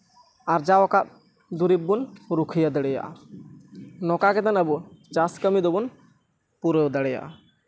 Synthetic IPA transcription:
aɾd͡ʒaɔkat̪̚ | d̪uɾibːunɾukʰijad̪əɽɛja̰ʔa̰ | nɔkakɛt̪anəbut͡ʃaskəmid̪ɔbun | puɾewd̪ɛɽɛja̰ʔa̰

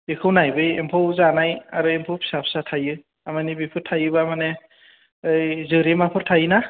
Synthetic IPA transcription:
bikʰɯwnajbɯjempʰowzanajaɾɯempʰɯwpʰi̥sapsatʰajɯ | amanibipʰɯtʰajɯbamane | ɯjzɯɾemapʰɯɾtʰajɯna

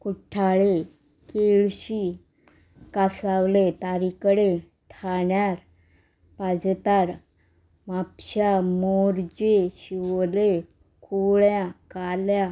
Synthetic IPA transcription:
kuʈʰːaɭe | keɭɕi | kasawlet̪aɾikəɽe | ʈʰaɳjaɾ | pad͡zt̪aɾ | mapɕamoɾd͡ʑeɕiʋle | kʰuɭjakalja

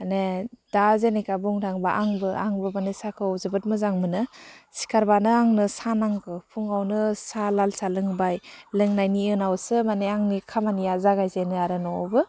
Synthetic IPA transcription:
aned̥azenekabuŋtʰaŋbaʔaŋbɯʔaŋbɯmanesakʰɯzɯbɯt̚mɯzaŋmɯnɯsi̥kʰaɾbanɯaŋnɯsanaŋkʰɯpʰuŋawnɯsalalsalɯŋbajlɯŋnajniɯnawsɯmaneaŋnikʰamanijazaɡajzenɯaɾɯnɔ̰bɯ

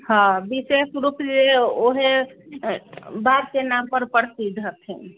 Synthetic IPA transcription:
hãbisesɾupd͡ʒeoɦe | baɾkenampəɾpəɽsid̪ʱɦət̪ʰɛ

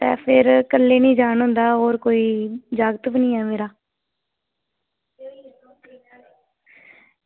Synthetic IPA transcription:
t̪ɛ̰̃ːpʰɪɾkəlːeːnĩːd͡ʒaːɳɦʊ̃nd̪aːɦoːɾkoːiːd͡ʒaːɡət̪bnĩːɛːmeːɾaː

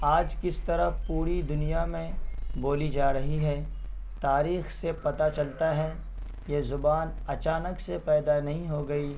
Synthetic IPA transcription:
aːd͡ʒkɪst̪ɐɾəɦpuːɾid̪ʊnijamẽboːlid͡ʒaːɾɐɦiɦɛː | t̪aːɾiːxsepɐt̪at͡ʃɐlt̪aɦɛ | jeːzʊbaːnɐt͡ʃaːnəksepɛːd̪anɐɦĩɦoɡɐiː

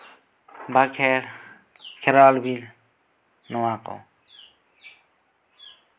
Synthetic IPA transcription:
bakʰɛ | kʰɛɾalbil | nɔwakɔ̰

